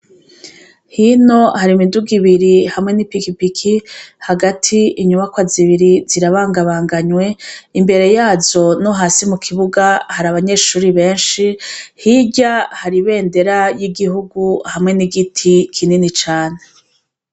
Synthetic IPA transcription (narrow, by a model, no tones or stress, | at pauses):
hino̞haɾimiduɡiβiɾihamŋe̞nipikipikʰihaɡatʰiiɲuβakwaziβiɾiziɾaβaːŋɡaβaːŋɡaɲwe̞imbe̞ɾe̞jaːzo̞noɦaːsimukʰiβuɡahaɾaβaɲe̞ːʃuːɾiβe̞ːnʃihiɟahaɾiβe̞ːnde̞ɾajiɡiɦuɡuhamŋe̞niɡitʰikʰininit͡ʃaːne